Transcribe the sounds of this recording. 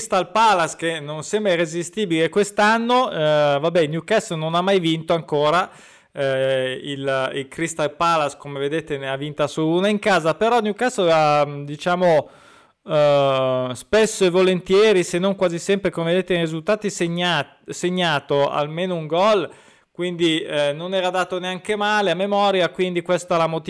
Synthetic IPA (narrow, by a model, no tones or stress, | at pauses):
st̪alpalaskenonsɛmbɾairezist̪iːbileekwest̪anːovabɛnjukast̪ononamːajvint̪oaŋkoːɾa | ililkɾist̪alpalaskomeved̪et̪eneavint̪asounaiŋkaːzapeɾɔnjukasoad̪it͡ʃaːmo | spɛsːoevolent̪jɛːɾisenːoŋkwaːzisɛmpɾekomeved̪eːt̪erizult̪aːt̪iseɲa | seɲːaːt̪oa̰lmeːnouŋɡɔl | kwind̪inonɛːɾad̪aːt̪oneaŋkemaːleamːemɔːɾjakwind̪ikwɛst̪alamot̪